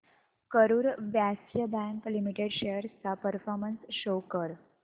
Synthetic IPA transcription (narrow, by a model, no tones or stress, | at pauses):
kəɾuːɾʋjæsjəbæ̃ŋklimiʈeɽɕejəɾt͡sapəɾfɔɾmənsɕokəɾ